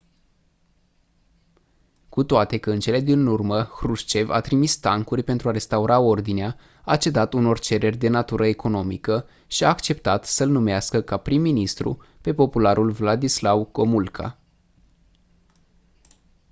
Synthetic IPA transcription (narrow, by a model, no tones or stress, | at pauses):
kut̪oat̪e̞kəɨnt͡ʃe̞le̞d̪inurməxɾuʃt͡ʃe̞va̰t̪ɾimist̪aŋkurʲpe̞nt̪ɾuaɾe̞st̪auɾao̞rd̪inea | at͡ʃe̞d̪at̪uno̞rt͡ʃe̞ɾe̞rʲd̪e̞nat̪uɾʔəe̞ko̞no̞mḭkə | ʃiaːkt͡ʃe̞pt̪at̪səlnumeaskəkapɾimːinist̪ɾṵpe̞po̞pulaɾulvlad̪islawko̞mulkʰa̰